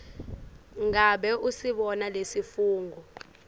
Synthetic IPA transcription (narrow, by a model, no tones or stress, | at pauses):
ŋaɓɛʔusiɓɔnalesifuːŋɡʱɔ